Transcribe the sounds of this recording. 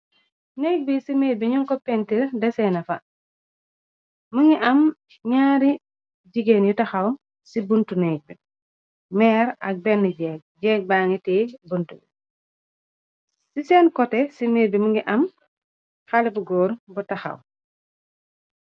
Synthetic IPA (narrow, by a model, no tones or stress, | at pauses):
nɛɡ̚bisimeːbiɲuŋkɔpɛntiɾdɛsɛnɐfɐ | məŋɡiʔɐm | ɲaːɾi | ɟiɡenjutɐxaw | sibuntunɛɡ̚bi | mɛːɾɐk̚bɛnːiɟɛːk̚ɟɛːk̚baːŋitɛːbuntubi | sisɛːnkɔtɛsimeːbimuŋɡiʔɐm | xalibuɡɔːɾbutaxa̰w